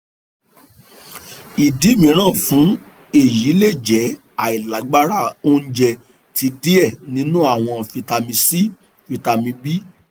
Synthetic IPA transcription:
i˨di˨˦mĩ˨˦ɾ̃ã˦˨fũ˨˦ | e˨ji˨˦le˦˨d͡ʒɛ˨˦ | a˨i˨la˨˦ɡ͡ba˦ɾa˦˨o˧n̩˦d͡ʒɛ˧ | tʰi˧˦di˦ɛ˦˨nĩ˦nũ˦a˦˨w̃ɔ̃˧˨fi˧ta˧mĩ˧si˦ | fi˧ta˧mĩ˧bi˦

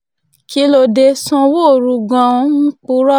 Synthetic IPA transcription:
ki˦lo˧de˧sɔ̃˧wo˦˨ɾu˧ɡã˧˦˧ñ̩˦k͡pu˧˦ɾɔ˦

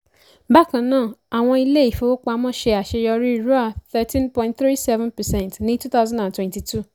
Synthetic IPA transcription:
ba˦˨kã˨nãː˦˨a˨w̃ɔ̃˧i˧le˦i˨fo˨o˦k͡pa˧mɔ̃˦˨ʃe˧a˨ʃe˧jɔ˧ɾi˦˨ɾu˦a˨θɛ˦tĩ˦npɔ̃˨ĩ˦ntθɾi˦sɛ˦vɛ̃˦npɛ˨sɛ̃˦ntnĩ˦tu˦t̪a˦ʊzã˦dã˨ntwɛ̃˨nti˨tu˦˨

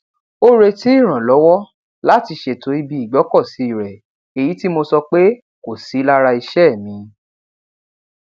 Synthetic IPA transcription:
o˦ɾe˧ti˨˦i˦˨ɾ̃ã˨lɔ˨˦wɔ˦ | la˦˨ti˧ʃe˨to˨˦i˧bi˦i˨ɡ͡bɔ˨˦kɔ˦˨si˦i˦˨ɾɛ˨ | e˨ji˨˦ti˦mo˧sɔ˧k͡pe˦ | ko˨si˨˦la˦ɾa˧i˧ʃɛ˦˨mĩ˧

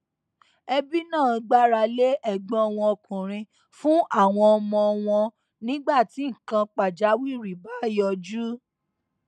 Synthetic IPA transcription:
ɛ˧bi˦nãː˦˨˧ɡ͡ba˦ɾa˧le˦ʔɛ˦˨ɡ͡bɔ̃˦ɔ˧w̃ɔ̃˧ɔ˧kũ˨ɾ̃ĩ˧ | fũ˦ʔa˦˨w̃ɔ̃˧ɔ˧mɔ̃˧ɔ˧w̃ɔ̃˧ | nĩ˦ɡ͡ba˦˨ti˨˦ŋ̩˨kã˧k͡pa˨d͡ʒa˨˦wi˦˨ɾi˨ba˨˦jɔ˧d͡ʒu˦

